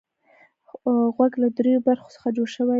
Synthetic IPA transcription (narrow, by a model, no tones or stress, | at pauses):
ɣwaɡlad̪ɾejobaɾxo̥sə̥xad͡ʒoɽʃəwa